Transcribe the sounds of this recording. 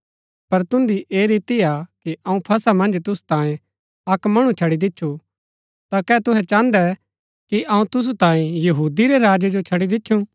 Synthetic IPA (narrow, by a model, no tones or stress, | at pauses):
pɐɾt̪ʊ̃nd̪iʔeːɾɪt̪iakiʔɐũpʰɐsamɐ̃nd͡ʒt̪ʊsu̥t̪ãːjẽ | ɐkmɐɽ̃ũt͡ʃʰɐɽid̪ɪtːʃʰu | t̪akɛːt̪ʊɦɛt͡ʃãːnd̪ɛ | kiʔɐũt̪ʊs̬ut̪ãːẽjɐɦuːd̪iɾeɾaːd͡ʒed͡ʒot͡ʃʰɐɽid̪ɪtːʃʰũ